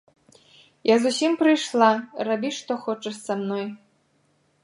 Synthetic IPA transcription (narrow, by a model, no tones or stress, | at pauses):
jazusʲimpɾɨjʃlˠɑrabʲiʂt̪oxot͡ʃəsamnoj